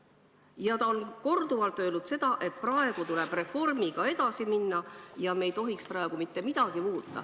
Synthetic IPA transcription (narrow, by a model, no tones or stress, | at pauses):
jɑt̪ɑo̞nko̞rd̪uvɑlt̪ːˑø̞ːlnudt̪se̞d̪̥ɑʔe̞t̪̚ˑprɑeɡ̥ut̪ule̞b̥re̞fo̞rmiɡ̥ɑe̞d̪̥ɑsiminːɑjɑme̞jt̪o̞ɦiksprɑe̞ɡ̥umit̪ːe̞mid̪̥ɑɡ̥imuːt̪ːˑɑ̰